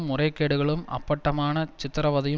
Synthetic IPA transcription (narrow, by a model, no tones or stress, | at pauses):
mːʊrɐɪkːeːɽɯɣɐɭɯmɐ̰pːɐʈːɐmaːnɐt͡ʃɪt̪ːɪɾɐʋɐðɐjɯ